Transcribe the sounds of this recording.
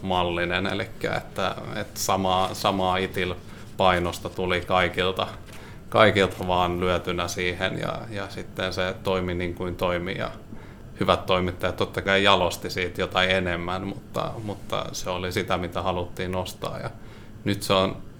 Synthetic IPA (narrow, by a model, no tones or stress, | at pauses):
mɑlːinenḛlikːæ̰ḛt̪ːæḛt̪sɑmɑːsɑmɑːit̪il | pɑinost̪ɑt̪ulikɑikilt̪ɑ | kɑikilt̪ɑʋɑːnlyæt̪ynæsiːhḛnjɑ̰jɑsit̪ːenset̪oiminiŋkuint̪oimḭjɑ̰ | hyʋæt̪toimit̪ːɑjɑt̪t̪ot̪ːɑkɑijɑlost̪isiːt̪jot̪ɑienemːænmut̪ːɑ̰mut̪ːɑ̰seolisit̪æmit̪æhɑlut̪ːiːnost̪ɑ̰ːjjɑ | nyt̪seon